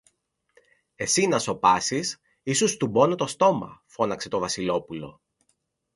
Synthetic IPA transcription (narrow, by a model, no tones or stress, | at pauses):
e̞sinɐso̞pɐsis | isust̪ubo̞not̪o̞st̪o̞mɐ̰fo̞nɐkse̞t̪o̞vɐsilo̞pulo̞̰